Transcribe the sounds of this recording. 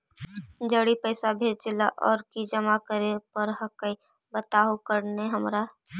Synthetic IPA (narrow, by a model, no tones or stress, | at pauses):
d͡ʒəɽipəɪsabʱeːd͡ʒd͡ʒɪlaʔɔːɾkid͡ʒəmakəɾepəɾɦəkəi | bət̪aːɦokəɾneɦəmɾa